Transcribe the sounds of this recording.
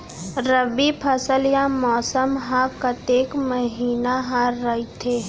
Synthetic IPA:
ɾəbipʰəsəljãmɔːsəmɦaːbkat̪eːkməɦiːnaɦaːɾːɐɦit̪ʰeː

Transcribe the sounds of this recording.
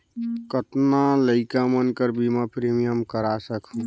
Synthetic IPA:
kət̪naləɪkamənkəɾbimapɾimijəmkəɾasəkʰũ

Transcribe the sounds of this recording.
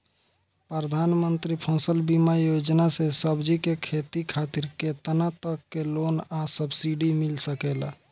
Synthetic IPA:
pɾɾəd̪ʱanmənt̪ɾipʰɔ̃səlbimajod͡ʒnasesəbd͡ʒikekʰet̪ikʰat̪iɾket̪ənat̪əkːelonasəbsiɖimilsəkela

